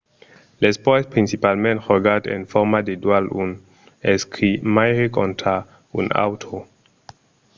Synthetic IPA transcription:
lespɔespɾinsipalmẽnthɔɡatḛnfɔɾmadedwalun | eskʰimajɾekʰɔ̃ntʰa | ṵna̰wtʰo

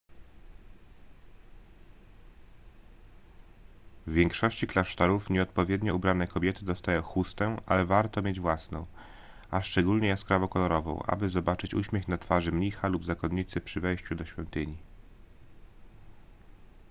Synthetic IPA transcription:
vʲːjɛŋkʂɔɕt͡ɕiklaʂt̪aɾufɲɛɔt̪̚pɔvʲjɛd̪ɲɔubɾanɛkɔbʲjɛt̪ɘd̪ɔst̪ajɔ̃w̃xust̪ɛʔa̰lɛvaɾt̪ɔmʲjed͡ʑvwasnɔ̰̃w̃ | aʂt͡ʂɛɡulɲɛjaskɾavɔkɔlɔɾɔvɔ̰̃w̃ʔa̰bɘzɔbat͡ʂɘt͡ɕṵɕmʲjɛxnat̪faʐɘmɲixalubzakɔnɲːit̪sɘpʂɘvɛjɕt͡ɕud̪ɔɕfʲjɔnt̪ɘɲi

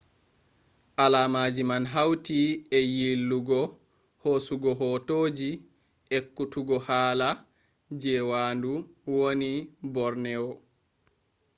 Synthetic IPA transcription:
ʔalaːmaːd͡ʒimanɦawtiɛjilːuɡɔ | hosuɡɔɦɔtoːd͡ʒi | ɛkːutuɡɔhaːla | d͡ʒɛwaːnduwonibɔɾnɛɔ

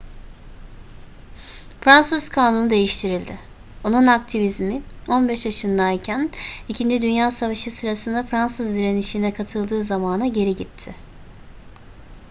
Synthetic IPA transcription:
fɾansɯz̥kʰaːnund̪e̞jiʃt̪ʰiɾilʲd̪ɪ | onunak̚t̪ʰivizmio̞nbɛʃjaʃɯnd̪ajcʰænicʰind͡ʒid̪ynjaːsavaʃɯsɯɾasɯnd̪afɾansɯzd̪iɾe̞niʃinɛkʰat̪ʰɯlˠd̪ɯːzamaːnaɟe̞ɾiɟit̪ʰːɪ

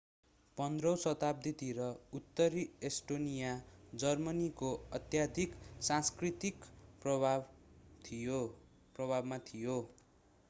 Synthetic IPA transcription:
pʌnd̪rʌwsʌt̪ab̚d̪it̪iɾʌut̪ːʌɾiesʈonijad͡zʌrmʌnikoʌt̪jad̪ʱiksãnskrit̪ikprʌbʱabt̪ʰijo | prʌbʱabmat̪ʰijo

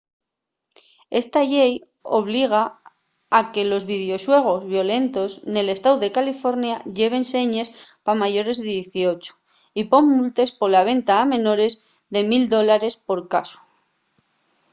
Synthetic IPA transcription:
e̞st̪aʎej | o̞̰βliɣ̞a | ake̞lo̞zβið̞eo̞swe̞ɣ̞o̞zβjo̞le̞nt̪o̞sne̞le̞st̪awðe̞kalifo̞ɾnjaʎe̞β̞e̞nse̞ɲe̞spamaʝo̞ɾe̞zðeðjeθio̞t͡ʃu̥ | ipo̞mːult̪e̞spo̞laβ̞e̞nt̪aːmẽ̞no̞ɾe̞z | ðe̞mild̪o̞laɾe̞spo̞ɾkasu̥

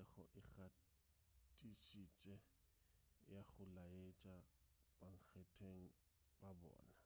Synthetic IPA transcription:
ɛχʊ̰ʔɪχa | tʼiʃit͡ʃʼɛ | jaχʊlaet͡ʃʼabaŋ̩k͡xʰɛtʰeŋ̩ | bʼabɔ̰ːna

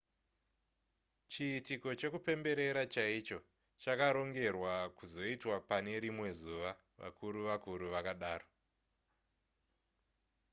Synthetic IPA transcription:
t͡ʃiːtiko̞t͡ʃe̞kupe̞mbe̞ɾe̞ɾat͡ʃait͡ʃo̞ | t͡ʃakaɾo̞ŋɡe̞rwakuzo̞itwapane̞ɾimwe̞zuʋa | ʋa̰kʰuɾuʋakuɾuʋakaɗaːro

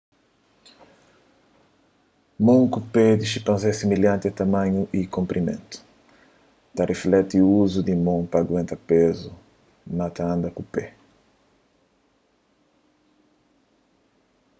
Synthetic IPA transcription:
mõŋkuped̪iʃipãnzɛsimiljãnt̪ɪat̪amãɲuʔikõmpɾʔimḛ̃nt̪u̥ | t̪ɐreflɛt̪iuuzud̪imõŋpaɡwẽnt̪ɐpezu | nat̪aãnd̪ɐkupe

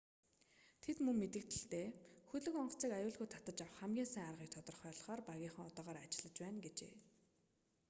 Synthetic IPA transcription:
t̪ʰet̪mɵŋmet̪ɘ̆k̚t̪ʰɘ̆ɬt̪eːxɵɮɵ̆kɔɴɢɞ̥̆t͡siːkajʊːɮɣujt̪ʰat̪ə̆t͡ɕawə̆χːæmɡʲiːnsæːŋarʁiːk̚t̪ʰɔt̪ɞ̆rχœːɮ̆χɔːrpaɣʲiːχə̆ŋɔt̪aːʁaːɾat͡ɕɪ̆ɮə̆t͡ɕpæːnɡet͡ɕḛː

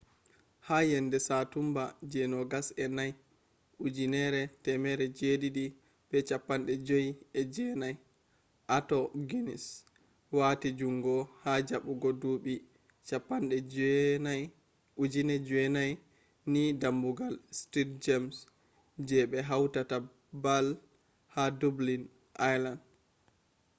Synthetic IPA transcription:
hajɛndɛsatumbad͡ʒɛnɔɡasɛnaj | ʔud͡ʒinɛɾɛtɛmɛɾɛd͡ʒeɗiɗi | bɛt͡ʃapːanɗɛd͡ʒojiɛd͡ʒɛnaj | ʔatɔɡinḭs | watid͡ʒuŋɡɔhad͡ʒaɓuɡɔduɓi | t͡ʃapːanɗɛ | ud͡ʒinɛd͡ʒɛnaj | nidambuɡalstit̚d͡ʒams | d͡ʒɛɓɛɦawtata | bal | hadublin | ʔajland

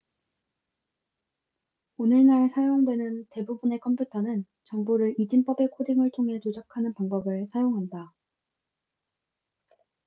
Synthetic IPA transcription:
onɯɭnaɭsʰajoŋdwe̞nɯnte̞bubune̞kʰʌmpʰjutʰʌnɯn | t͡ɕʌŋbuɾɯɾid͡ʑimp͈ʌbe̞kʰodiŋɯɭtʰoŋɦe̞t͡ɕod͡ʑakʰanɯnpaŋbʌbɯɭsʰajoŋɦanda

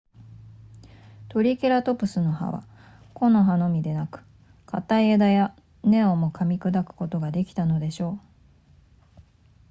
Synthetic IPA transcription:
t̪o̞ɾʲike̞ɾat̪o̞pɯ̟sɨno̞ɦa̰βa̰ | ko̞no̞ɦano̞mʲid̪e̞nakɯ̟̥ | kʰat̪aied̪aja | ne̞omo̞kʰamʲikɯ̟d̪akɯ̟̥ko̞t̪o̞ɡad̪e̞kʲi̥t̪ano̞d̪e̞ɕo̞ː

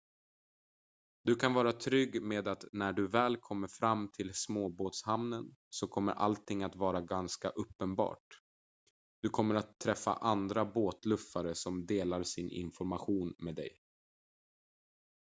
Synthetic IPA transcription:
d̪̥ɵkʰanvɑːɾat̪ʰɾʏɡːmeːd̪at̪næɖɵvɛːlkʰɔmːəɾfɾamːt̪ʰɪlsmoːboːt̪shamnənsɔkʰɔmːə̰ɾʔa̰lt̪ʰɪŋːat̪vɑːɾaɡanska̰ʔɵpːənbɑ̰ːʈ̚ | d̪̥ɵkʰɔmːəɾat̪ʰːɾɛfːa̰ʔand̪ɾaboːt̪lɵfːaɾəsɔmd̪eːlaɾsɪnʔɪ̰nfɔɾmaɧuːnmeːd̪ɛ̰j

